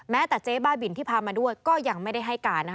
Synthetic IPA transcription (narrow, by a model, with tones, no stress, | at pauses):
mɛː˦˥t̪ɛ˨˩t͡ɕeː˦˥baː˥˩bi˨˩nt̪ʰiː˥˩pʰaː˧maː˧du˥˩əjkɔː˥˩ja˧ŋma˥˩jda˥˩jɦa˥˩jkaː˧na˦˥